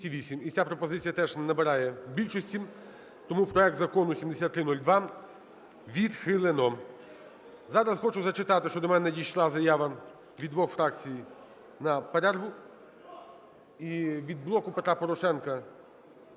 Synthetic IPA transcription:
tʲiʋʲisʲimit͡sʲapɾɔpɔzɪt͡sʲijɐt̪ɛʒnɐbeɾɑjɛbʲilʲʃɔsʲtʲi | t̪ɔmupɾɔɛk̚t̪zɐkɔnʊsʲimd̪esʲat̪ːɾɪnulʲd̪ʋɑ | ʋʲid̪xɪlˠenɔ | zɑɾɐzxɔt͡ʃʊzɐt͡ʃɪt̪ɑt̪ɪʃt͡ʃɔd̪ɔmɛnɛjiʃlˠɑzɐjaʋɐ | ʋʲid̪ʋɔxfɾɑkt͡sʲiji | nɐpɐɾʲarɦʊ | iʋʲid̪̚blˠɔkʊpet̪ɾapɔɾɔʃɛnkɐ

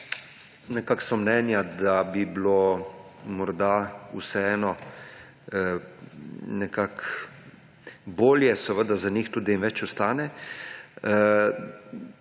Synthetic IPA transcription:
nɛkaksɔmnɛːnjad̪abiblo | mɔɾd̪ausɛɛːnɔ | nɛkak | boːljɛsəʋəd̪azanixt̪uːd̪iinʋɛt͡ʃust̪aːnɛ

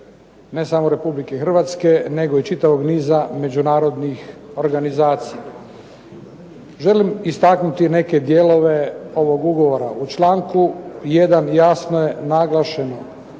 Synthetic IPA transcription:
ne̞samoɾe̞publikexr̩ʋat̪ske̞ne̞ɡo̞it͡ʃit̪aʋo̞ɡniːzame̞d͡ʒunaːɾo̞d̪nixo̞ɾɡanizaːt̪sija | ʒe̞limist̪aknut̪ine̞ke̞d̪jelo̞ʋe̞o̞ʋo̞ɡuɡo̞ʋo̞ɾaʔut͡ʃlˠaːŋkuje̞d̪anjasnoje̞naɡlˠaʃe̞no

